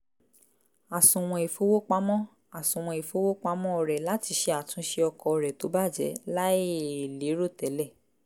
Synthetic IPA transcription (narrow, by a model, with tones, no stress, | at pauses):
a˨sũ˨w̃ɔ̃˧e˨fo˨˦wo˦k͡pa˦mɔ̃˦ | a˨sũ˨w̃ɔ̃˧e˨fo˦wo˦k͡pa˦mɔ̃˦ɔ˧ɾɛ˨la˦ti˧˦ʃe˧a˨tũ˨˧ʃe˧ɔ˧kɔ˧ɔ˧ɾɛ˨to˨˦ba˦˨d͡ʒɛ̰˨˦la˦ie˦˨li˨˦ɾo˦˨tɛ˨˦lɛ˦˨